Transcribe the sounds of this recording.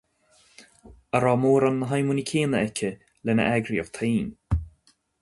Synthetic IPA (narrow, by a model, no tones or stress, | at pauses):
əɾɔːmoːɾanːəɦajmunikʰeːnəɛkʰʲə | lɛnə̰ʔɛɡɾiɔv̥t̪ʰeːn